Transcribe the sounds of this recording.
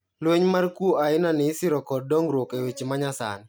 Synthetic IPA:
lweɲmarkwoaɪnanɪːsɪɾɔkɔd̚ːɔŋɾwokewet͡ʃimaɲasa̰n

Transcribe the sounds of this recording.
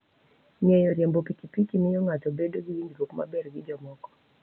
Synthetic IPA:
ɲɛjɔɾjambɔpikipikimijɔŋatɔbɛdɔɡid͡ʒinɡiɾɔkuma̰bɛɾɡiɗɔmɔkɔ̥

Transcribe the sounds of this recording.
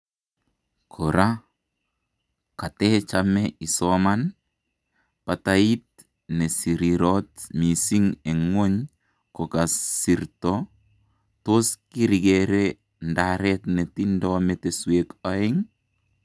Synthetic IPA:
kʰoɾa | katɛt͡ʃamɛisɔman | patait̚ | nɛsiɾiɾɔtmisiŋeŋwoɲ | kɔkasːiɾtɔ | toskiɾiɡeɾe | ndaɾɛtnetindɔmeteswekaɪŋ

